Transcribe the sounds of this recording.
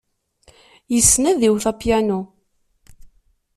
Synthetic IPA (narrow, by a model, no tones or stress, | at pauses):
jəsːnæðiwθæpjænu